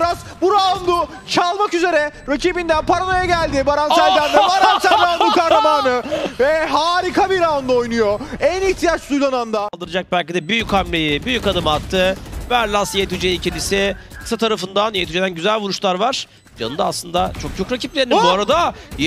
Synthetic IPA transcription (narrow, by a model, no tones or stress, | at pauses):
ɾasbuɾand̪u | t͡ʃʰalˠmakyze̞ɾɛ | ɾacibind̪ænpʰaɾano̞jaɟælʲd̪ibaɾansælʲd̪ænd̪ɛbaɾansæld̪anukahɾamaːnɯvɛɦaːɾikʰabiɾaːnd̪uojnujoæniçt̪ʰijat͡ʃsujlˠanand̪alˠd̪ɯɾɯad͡ʒak̚bælʲcid̪ɛbyjychamlʲejibyjycad̪ɯmat̪ʰːɯvæɾlʲˠasjet̪ʰyd͡ʒeicʰelʲisɪkʰɯ̥sat̪ʰaɾafɯnd̪anjet̪ʰyd͡ʒed̪ænɟyzælʲvuɾuʃlˠaɾvaɾ̥ | d͡ʒa̰nɯd̪aːslˠɯnd̪at͡ʃʰo̞k̚t͡ʃʰokɾaciplʲeɾibuaɾad̪a